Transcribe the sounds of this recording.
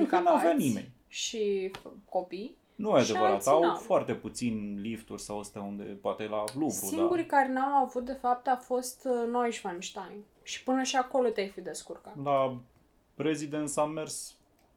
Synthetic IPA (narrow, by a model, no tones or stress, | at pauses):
ɨŋkənuavanime̞̰nʲ | ʃiko̞pij | numajad̪evəɾɾat̪awafoart̪e̞put̪sinʲlift̪urʲsawəst̪eaund̪e̞̰poat̪elaluksɾuiaŋɡuɾikaɾenawavut̪̚d̪e̞fap̚t̪awfo̞st̪nojʃvanʃt̪ajn | ʃi̥pɨnəʃiako̞lo̞t̪eajfid̪e̞skurkala | pɾezid̪ent̪samːe̞rs